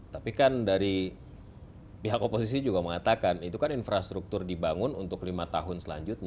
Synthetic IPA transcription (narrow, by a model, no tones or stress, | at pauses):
t̪apikandaɾi | piɦakopos̬is̬id͡ʒuɡaməŋat̪akanit̪ukaninfɾast̪ɾuk̚t̪ʊrdibaŋʊnunt̪ʊklimat̪aɦʊnsəla̰ɲd͡ʒʊt̪̚ɲa